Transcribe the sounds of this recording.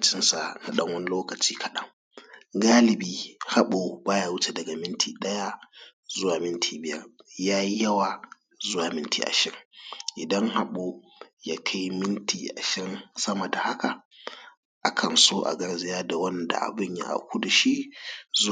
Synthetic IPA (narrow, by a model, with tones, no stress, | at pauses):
t͡ʃɪ˦nsa˨na˨ɗɐ˦ŋwɐ˦ni˦loː˦kɐ˨t͡ʃiː˦kʰɐ˨ɗɐ˦ŋ | ɡaː˦lɪ˨biː˦ha˦ɓo˨baː˦ja˨wʊ˦t͡ʃe˨dɐ˨ɡa˨mɪ˦ntʰiː˨ɗɐ˦ja˦ | zʊ˦waː˨mɪ˦ntʰiː˨bɪ˨jɐ̰˦rjaː˦ji˦jɐ˦waː˨ | zʊ˦waː˨mɪ˦ntʰḭː˨ʔa̰˨ʃɪ˦ʔɪ˨dɐ˦ŋha˦ɓo˦ | jaː˦kʰa˦jmɪ˦ntʰiː˨ʔa̰˨ʃɐ˦nsɐ˦ma˨da˨ha˦ka˨ | ʔa˦kʰɐ˨nsoː˦ʔa̰˨ɡɐ˦rzɪ˦jaː˦da˨wɐ˦nda̰˨ʔa̰˨bɪ˦ɲja̰˦ʔa̰˨kʷu˦da˨ʃi˦z